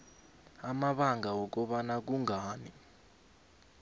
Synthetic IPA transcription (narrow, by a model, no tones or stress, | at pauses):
amaɓaŋʱawɔk̬ɔɓanak̬uŋʱaːni